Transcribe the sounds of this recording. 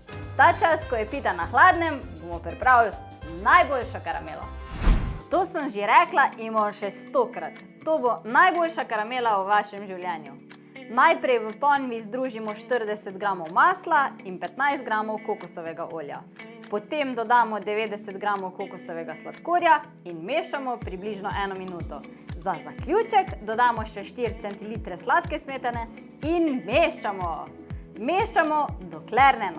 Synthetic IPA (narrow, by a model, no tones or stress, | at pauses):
t̪at͡ʃaskɔjɛpiːt̪anaxlaːd̪nɛmbomɔpɾipɾaːwl | najboːlʃakaɾa̰mḛːla̰ | t̪oːsəmʒeɾɛklaʔimɔʃɛst̪oːkɾat̪ːoːbonajboːlʃakaɾameːlauʋaːʃɛmʒiwljɛːnju | najpɾɛjʋəpɔnʋizd̪ɾuːʒimɔʃt̪əɾd̪ɛsɛd̪ɡɾaːmɔwmaːslainpɛt̪najst̪̚ɡɾamɔwkokusɔʋɛɡaʔoːlja̰ | pɔt̪emd̪ɔd̪aːmɔd̪ɛʋeːd̪ɛsɛd̪ɡɾaːmɔwkoːkusɔʋɛɡasʋat̪koːɾja | inmeːʃamɔpɾibliʒnɔʔɛːnɔminuːt̪ɔ | zazakljuːt͡ʃɛkd̪ɔd̪aːmɔʃɛʃt̪iɾt̪sɛnt̪iliːt̪ɾɛslaːt̪kɛsmeːt̪ɛnɛ | inmeʃt͡ʃamɔ | meːʃt͡ʃamɔd̪ɔklɛɾnɛnɔ